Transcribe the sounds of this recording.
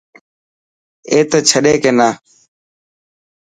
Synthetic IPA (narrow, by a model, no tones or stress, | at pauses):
eːt̪eːt͡ʃʰəɗeːkeːnaː